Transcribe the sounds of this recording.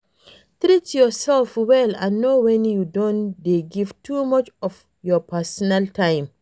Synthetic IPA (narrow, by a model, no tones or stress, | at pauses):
t̪ɹitjɔsɛlfwɛlã̰nːowɛ̃njudõndeɡiv̥tʰumʌt͡ʃɔv | jɔpasɔnaltʰãɪ̃m